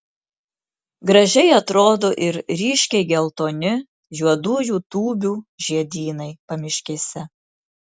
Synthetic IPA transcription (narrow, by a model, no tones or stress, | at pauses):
ɡɾɐʒʲɛɪɐt̪ɾoːd̪oːʔɪɾɾʲiːʃʲkʲɛɪɡʲɛlˠt̪oːnʲɪ | juɔd̪uːjuːt̪uːbʲuːʒʲiɛd̪ʲiːnɐɪpɐmʲɪʃʲkʲesʲɛ